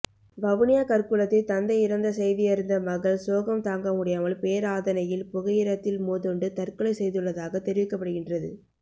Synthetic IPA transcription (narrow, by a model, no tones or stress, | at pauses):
ʋɐʋɯnɪjaːkɐɾkɯɭɐt̪ːɪlt̪ɐnd̪ɐɪɪɾɐnd̪ɐsɛjðɪjɐɾɯnd̪ɐmɐɣɐɭsoːɣɐmt̪aːŋɡɐmʊɽɪjaːmɐɭpeːɾaːðɐnɐjɪlpʊɣɐjɪɾɐt̪ːɪlmuːðɔɳɖɯt̪ɐrkɯɭɐɪsɛjðɯɭːɐðaːɣɐt̪ɛɾɪʋɪkːɐpːɐɽɯɣɪndrɐðɯ̰